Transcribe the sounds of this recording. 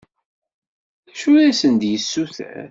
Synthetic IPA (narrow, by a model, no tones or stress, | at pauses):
æʃuɾæsənd̪jəsːuθæ̰